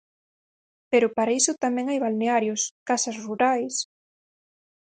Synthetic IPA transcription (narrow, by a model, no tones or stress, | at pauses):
peɾʊpaɾaisʊt̪amɛ̃ŋajβalneaɾjʊskasasruɾajs